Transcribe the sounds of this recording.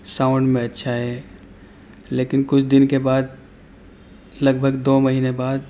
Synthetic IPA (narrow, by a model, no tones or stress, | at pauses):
saːʊ̃ɳɖmẽɐtːʃʰaɦɛː | leːkɪnkʊt͡ʃʰd̪ɪnkebaːd̪̚ | lɐɡbʱəɡd̪oːmɐɦiːnebaːd̪̚